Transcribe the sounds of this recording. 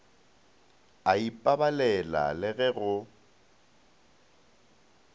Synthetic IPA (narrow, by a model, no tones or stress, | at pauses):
aipʼabalɛla̰lɪɣɛɣʊ